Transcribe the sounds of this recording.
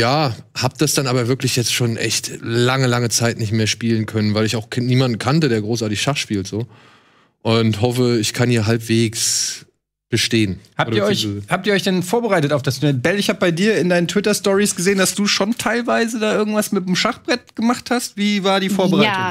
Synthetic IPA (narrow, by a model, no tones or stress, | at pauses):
jaːhaːp̚d̥asd̥anʔaːbɐvɪɐklɪçjɛt͡stʃoːnʔɛ̰çtlaŋəlaŋət͡saɪtnɪçtmeːɐʃpiːlənkʰœnənvaɪlɪçaʊxkʰniːmandn̩kʰantədeːɐɡʁoːsʔaɐtɪçʃaχʃpiːltz̥oː | ʔʊntɦɔfəɪçkʰanhiːɐɦalpv̥eːks | b̥əʃteːənhaːpːiːɐɔʏhaːp̚tiːɔçd̥ɛnfoːɐbəʁaɪtətaʊfd̥asunɛnbɛlɪçhaːbəbaɪdiːɐɪndaɪnəntv̥ɪtɐstɔʁisɡ̥əzeːəndasd̥uːʃontʰaɪlvaɪzədaːʔɪɐɡŋ̩tv̥asmɪtmʃaχb̥ʁɛt̚ɡ̥əmaχthastv̥iːvaːɐdiːfoːɐbəʁaɪtʊ